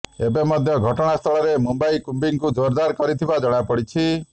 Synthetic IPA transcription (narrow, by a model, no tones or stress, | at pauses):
ebemɔd̪ʱjɔɡʱɔʈɔɽ̃ast̪ʰɔɭɔɾemumbaikumbiŋkud͡ʒoɾd̪aɾkɔɾit̪ʰibad͡ʒɔɽ̃apɔɽit͡ʃʰi